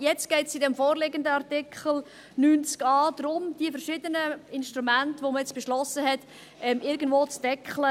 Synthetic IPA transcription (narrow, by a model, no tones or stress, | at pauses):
jɛt͡stɡ̥ɛɪtt͡sidɛmfoːrlɪɡəndəɑʁtɪkʰχəl̩ | nyːnt͡skɑːd̪ɾʊmd̥iəfɛɾʃɪdənəɪnʃtʁumæntʋoməjɛt͡sb̥eʃlɔsəɦɛt | ɛmɪɾɡən̩dvʋoːt͡sd̥ɛkχlə